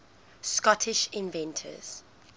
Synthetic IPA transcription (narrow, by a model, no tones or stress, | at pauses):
skɔtʰɪʃɪ̃nvɛ̃ntʰə̰z̥